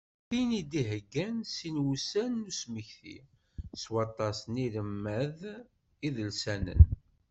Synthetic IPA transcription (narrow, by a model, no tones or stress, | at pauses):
θinid̪iɦəɡːænsinwusænːusməçθḭ | swɑt̪ˤːɑsniləmːæð | iðəlsænə̰n